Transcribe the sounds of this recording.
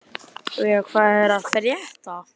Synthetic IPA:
ɔjakʰvaːðɛɾaðpɾjɛht̪a

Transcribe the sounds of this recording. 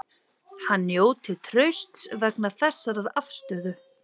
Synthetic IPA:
hanːjoːwt̪ʰɪlt̪ʰɾœɥst̪svɛknaθɛsːaɾaðað̥st̪œːðʏ

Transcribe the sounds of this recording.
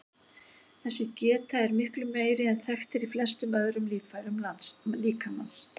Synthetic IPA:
θɛsːɪcɛːt̪aɛɾmɪhklʏmːeːjɾɪɛnθɛxt̪ɪɾiflɛst̪ʏmœðɾʏmliːfajɾʏmlansliːkamans

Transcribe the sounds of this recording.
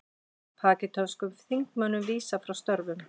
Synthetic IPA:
pʰaːcɪt̪ʰɔnskʏmθiŋkmœnːʏmviːsafɾawst̪œɾvʏm

